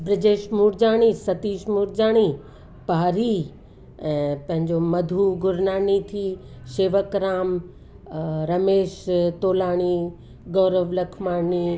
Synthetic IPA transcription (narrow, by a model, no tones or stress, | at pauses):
bɾɪd͡ʑeːʃmuːɾd͡ʑaːɽ̃isɐt̪iːʃmuːɾd͡ʑaːɽ̃i | paːɾi | ɛ̃ːpɐ̃ɦɪ̃ɲd͡ʑomɐd̪ʱuɡʊɾnaːnit̪ʰi | ʃeːʋəkɾaːm | ɾɐmeːʃt̪oːlaːɽ̃i | ɡɔːɾəʋlɐkʰmaːni